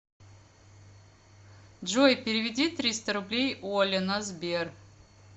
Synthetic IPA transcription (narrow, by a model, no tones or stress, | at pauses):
d͡ʒojpʲeɾʲɪvʲɪd̪ʲit̪ɾʲist̪əɾʊblʲejolʲenazbʲer